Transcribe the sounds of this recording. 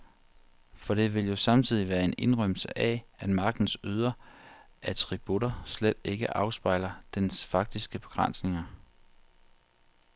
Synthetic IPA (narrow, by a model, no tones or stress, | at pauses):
fɒ̽ɾ̥e̝ʋe̝ljo̝sɑ̈mt͡sʰið̞̰ˠiʋæːɐe̝ne̝nʁœm̰lsəʔææd̥mɑ̈ːɡ̥̚d̥n̩syðˠɐ | ʔæt͡sʰʁib̥uɾɐsled̥e̝ɡ̥əʔɑ̈ʊsb̥ɑ̈ɪlɐd̥ensfɑ̈ɡ̥̚d̥isɡ̥əb̥e̝ɡ̥ʁɑ̈n̰sne̝ŋɐ